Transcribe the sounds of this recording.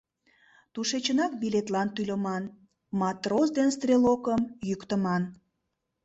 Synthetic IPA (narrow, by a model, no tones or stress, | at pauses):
t̪uʃet͡ɕənɑk̚bilet̪lɑnt̪ylʲəmɑn | mɑt̪rosd̪enst̪rʲelokəmjykt̪əmɑn